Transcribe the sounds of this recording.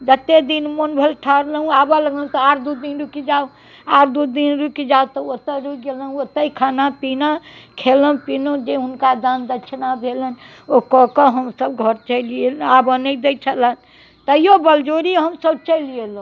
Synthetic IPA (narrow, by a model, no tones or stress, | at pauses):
d͡ʒət̪ːed̪inmonbʱəlʈʰəɾləɦũabələɡlə̃t̪ɔaɾd̪ud̪inɾukid͡ʒau | aɾd̪ud̪inɾukid͡ʒaut̪ɔot̪əɾuɡelənot̪ːəikʰanapinakʰeləpinõd͡ʒeɦunkad̪ãnd̪ət͡ʃʰnabʱelən | okɔkɔɦəmsəbɡʱəɾt͡ʃəɪlielabənəd̪et͡ʃʰələn | t̪əjobəld͡ʒoɾiɦəmsəb̚t͡ʃəliel̃